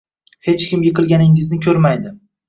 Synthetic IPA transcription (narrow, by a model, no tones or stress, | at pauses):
he̞t͡ʃkʲɪmjɨqʰɨlˠɡʲanɪŋɪznɪkʲʰɵɾmajd̪ɪ